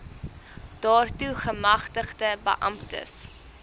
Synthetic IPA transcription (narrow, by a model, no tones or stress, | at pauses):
d̥ɑːrtuχəmɐχtəχdəbə̰ʔɐ̰mtə̰s